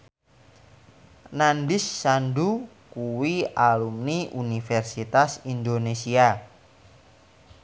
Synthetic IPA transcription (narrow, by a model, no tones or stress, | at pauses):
nandisːandukuwialumniʔunifɛrsit̪asind̪onesia